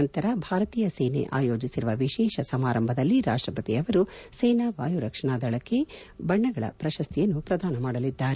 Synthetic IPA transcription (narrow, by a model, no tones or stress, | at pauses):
ɐnt̪ɐɾɐbʱaːɾɐt̪iːjɐseːnḛʔaːjo̞ːd͡ʒisiɾuʋɐʋiʃɛːʃɐsɐmaːɾɐmbʱɐd̪ɐlːiɾa̰ːʂʈɾɐpɐt̪iɐʋɐɾusɛːnaʋaːjuɾɐkʂɐɳaːd̪ɐɭɐkːe | bɐɳːɐɡɐɭɐ̰pɾɐʃɐst̪ʰijɐnːupɾɐd̪aːnɐmaːɽɐlid̪ːaːɾe